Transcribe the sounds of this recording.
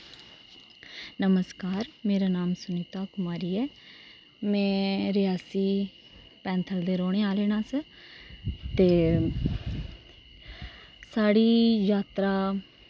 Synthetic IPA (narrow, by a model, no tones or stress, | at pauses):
nəməskaːɾmeːɾaːnaːmsʊniːt̪aːkʊmaːɾiːɛː | mɛ̃ːɾɪjaːsiː | pɛ̃ːnt̪ʰəld̪eːɾoːɽ̃eːaːleːɽ̃ãːsə | t̪eː | saːɽiːjaːt̪ɾaː